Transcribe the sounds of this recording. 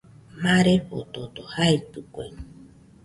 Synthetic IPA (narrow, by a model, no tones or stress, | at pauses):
maɾepo̰t̪ot̪ohaepɨkʷḛ